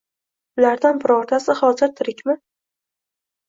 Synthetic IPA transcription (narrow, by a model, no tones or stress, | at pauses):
ʊlaɾd̪anbɪɾɒɾt̪ʰasɪχɒzɪɾt̪ʰɪɾɪkʲmɪ